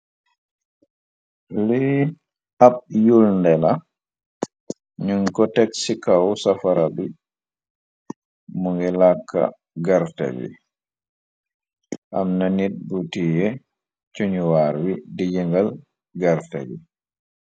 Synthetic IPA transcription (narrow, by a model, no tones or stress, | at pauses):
li | aɓ̚julndɛla | ɲuŋkɔtɛksikawɔsafaɾabi | muŋɡɛlakːa̰ | ɡaɾta̰bḭ | ʔamnanit̚butijɛ | t͡ʃuɲuwaɾwidid͡ʒiŋɡal | ɡaɾta̰bḭ